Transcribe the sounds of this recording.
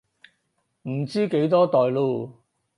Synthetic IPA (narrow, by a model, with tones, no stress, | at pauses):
m̩˨˩t͡siː˥ke˨˥jt̪ɔː˥t̪ɔː˨jluː˧